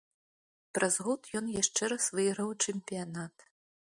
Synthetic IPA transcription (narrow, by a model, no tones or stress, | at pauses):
pɾʔazɣɔt̪jɔnjaʂt͡ʂɛɾɐsvɨɣɾɐwt͡ʂɛmʲpʲijanat̪